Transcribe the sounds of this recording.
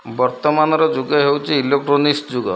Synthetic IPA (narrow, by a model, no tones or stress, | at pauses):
bɔɾt̪ɔmanɔɾɔd͡ʒuɡɔɦewt͡ʃʰiilekʈɾonisd͡ʒuɡɔ̰